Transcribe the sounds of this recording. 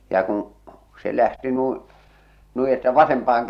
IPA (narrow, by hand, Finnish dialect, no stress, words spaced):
jɑ kũː se læhti nuĩː nui etːæ ʋɑsempɑːh̞ɑŋ